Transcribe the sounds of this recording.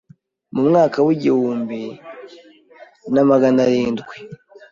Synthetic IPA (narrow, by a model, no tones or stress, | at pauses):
mumŋaːkawuɟiwuːmbi | namaɡanaɾiːndɡwe